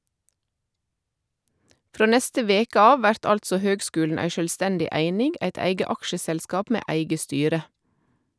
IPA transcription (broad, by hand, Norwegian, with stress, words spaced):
ˈfʁoː ˈnɛstə ˈʋeːkə ˈɑːʋ ˈʋæɾt ˈɑltsɔ ˈhøːɡˌskʉːln̩ ˈæɪ ʃœlˈstɛndɪ ˈæɪnɪŋɡ ˈæɪt ˈæɪɡə ˈɑkʃəsɛlˌskɑːp ˈmeː ˈæɪɡə ˈstyːɾə